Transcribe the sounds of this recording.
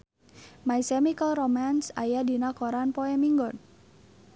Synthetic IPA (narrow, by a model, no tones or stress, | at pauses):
maisɛmikəlromansa̰jadi̤nakɔɾanpoɛmiŋɡɔn